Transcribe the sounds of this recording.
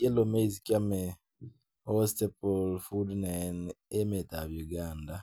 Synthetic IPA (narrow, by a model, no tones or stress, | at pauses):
elomeizkjame | ostepolfudnanemetaβjuɡaːnda